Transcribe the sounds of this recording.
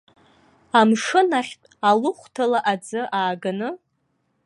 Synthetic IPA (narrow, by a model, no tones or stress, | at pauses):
amʂɨnaχʲtʼalʊχʷtʰalaʔad͡zɨʔaːɡanɨ